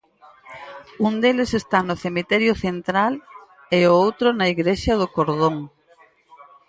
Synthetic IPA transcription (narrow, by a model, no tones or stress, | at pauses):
und̪elesest̪anʊθemit̪ɛɾjʊθent̪ɾal | eoowt̪ɾʊnaiɣɾeʃɐðʊkoɾðoŋ